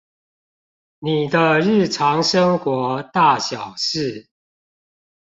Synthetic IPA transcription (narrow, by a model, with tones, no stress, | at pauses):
ni˨˩d̪ə˦ɻɻ̩˥˩ʈ͡ʂʰɑ˧˦ŋʂə˦ŋkwɔ˧˥˦t̪a˥˨ɕjɑ˨˩ʊʂɻ̩˥˨